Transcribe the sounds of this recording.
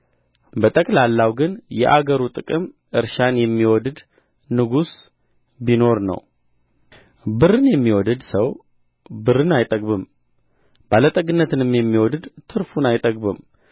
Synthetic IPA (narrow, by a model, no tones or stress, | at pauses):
bət̪ʼəkʼlalːawɡɨnjɛ̰ʔaɡəɾut̪ʼɨkʼɨm | ʔɨɾʃanjɛmːiwɔd̪ɨd̪ | nɨɡus | bino̞ɾnə̰w | bɨɾɨnjɛmːiwɔd̪ɨd̪səw | bɨɾɨnajt̪ʼəɡʼbɨm | b̥alət̪ʼəɡɨnːət̪ʰɨnɨmːjɛmːiwɔd̪ɨd̪t̪ʰɨɾfunajt̪ʼəɡʼbɨm